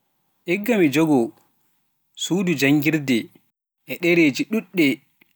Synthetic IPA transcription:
ʔɛɡːamid͡ʒɔɡɔ | suːdud͡ʒaŋɡiɾdɛ | ʔɛɗɛɾeːd͡ʒiɗuɗːɛ

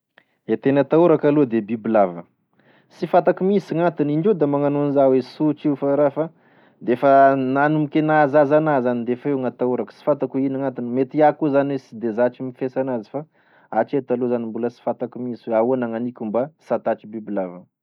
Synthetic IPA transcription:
et̪enat̪auɾakalod̪ebibilavə̰ | sifat̪akumisŋat̪iniɳɖ͡ʐed̪amaŋanonizawesut͡ʃifaɾafa | d̪efənanumikʲenazazanazanid̪efaeŋat̪auɾakə̥si̥fat̪akuinaŋant̪inmet̪iakuzanwesid̪ezat͡ʃimifesanazi̥fa | at͡ʃet̪alozanimbuləsi̥fat̪akumiswauanaŋanikʲumbasat̪at͡ʃibibilavə

